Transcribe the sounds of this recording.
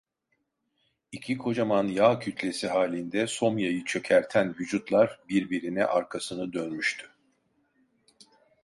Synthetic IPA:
icʰikʰo̞d͡ʒamanjaːcʰyt̪ʰlʲe̞siɦaːlʲind̪ɛso̞mjajɯt͡ʃʰø̞cʰæɾt̪ʰænvyd͡ʒut̪lˠaɾbiɾbiɾinɛ̰ʔaɾkʰasɯnɯd̪ønmyʃt̪ʰy̥

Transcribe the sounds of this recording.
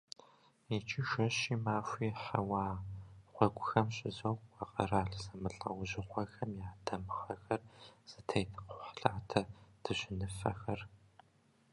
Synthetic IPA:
jɛt͡ʃʼʰiʃɐɕiːmaːfʷiːħawaːχʷɔɡʷʼʊxɐmɕʼɪzɐwɑqɐraːɬsɐmɨɬʼɐ̰wʑɪχʷɐxɐmjaːdʰɐmxɐxɐrz̥ɨtʰɐjtʰɨqʊħɬaːtʰɐd̥ʰɨɕɪnɨfɐ̰xɐr

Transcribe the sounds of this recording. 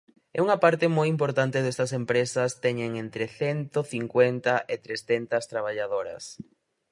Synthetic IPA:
ɛ̰uŋɐpaɾt̪ɪmojimpoɾt̪ant̪eðest̪ɐsempɾesɐst̪ɛɲẽŋent̪ɾeθɛnt̪oθiŋkwent̪ɐʔet̪ɾesθɛnt̪ɐst̪ɾaβ̞aʎaðoɾɐ̰s

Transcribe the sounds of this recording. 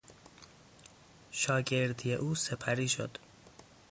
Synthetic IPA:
ʃɒːɟe̞ɾd̪ijeʔuːse̞pʰæɾiːʃo̰d̪̥

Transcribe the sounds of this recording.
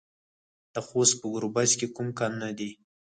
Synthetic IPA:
d̪̥əxost̪̚pəɡʊɾubazkekumkɑnnad̪i

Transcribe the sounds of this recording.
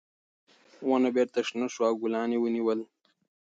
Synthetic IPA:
wanabeːɾt̪ɐʂnɐʂwaːɡulaːnewəniwəl

